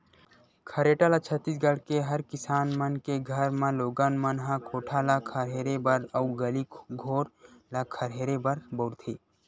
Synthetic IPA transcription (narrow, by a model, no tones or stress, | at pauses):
kʰɐɾeːʈalat͡ʃʰət̪ːis̬ɡəɽ̤keɦɐɾkɪsaːnmənkeɡʱəɾmãloːɡanmənɦãkʰoːʈʰalakʰəɾɦeːɾebəɾəwɡəlikɡʱoːɾlakʰəɾɦeːɾebəɾbəɾt̪ʰiː